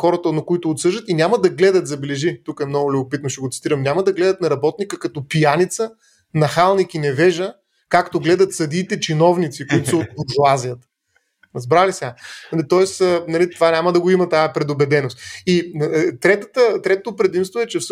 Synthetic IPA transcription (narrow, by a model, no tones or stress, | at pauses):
xɔɾət̪ənɐkʊit̪ʊːt̪sɤʒət̪inʲaməd̪ɐɡlɛd̪ət̪zɐbɛlɛʒit̪ukɛmnɔɡʊlʲʊbʊpit̪noʃɛɡot̪si̥t̪iɾəmnʲamɐd̪ɐɡlɛd̪ət̪nɐɾɐbɔt̪nikəkɐt̪ɔpijanit̪sə | nɐxalˠnikinɛvɛʒə | kakt̪oɡlɛd̪ɐt̪sɐd̪iːt̪ɛt͡ʃinɔvnit̪sikoʊit̪ʊsəot̪̚bʊɾʒuazijət̪ | zbɾalisɛanlit̪ɔɛsənɐlit̪ovanʲaməd̪ɐɡoimɐt̪ajəpɾɛd̪obɛd̪ɛnost̪it̪ɾɛt̪ət̪ət̪ɾɛt̪ot̪opɾɛd̪imst̪voɛt͡ʃɛfs